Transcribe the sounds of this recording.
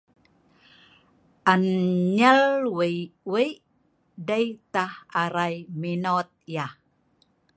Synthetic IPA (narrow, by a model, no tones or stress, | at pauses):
ʔanɲəlwəwəj | dəjt̪ahaɾajminot̪̚jah